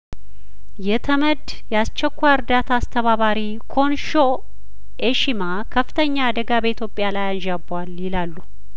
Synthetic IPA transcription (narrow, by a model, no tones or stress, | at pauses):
jɛt̪ʰəməd̪ | jɛast͡ʃːɛkʷːajɨɾd̪at̪ʰaːst̪ʰəβaβaɾi | kʰo̞nʃo | ʔeʃima | kʰəfːɨ̥t̪ʰəɲːaːd̪əɡabəit̪ʰjo̞pʼɪjalajanʒabaljɪlalːu